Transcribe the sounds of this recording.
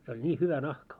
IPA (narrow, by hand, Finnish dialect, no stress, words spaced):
se olʲ nʲiː hyʋæ nɑhkɑ